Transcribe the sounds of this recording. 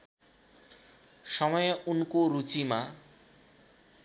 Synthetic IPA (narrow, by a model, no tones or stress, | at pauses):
ʃɔmɔjeunkoɾut͡ɕima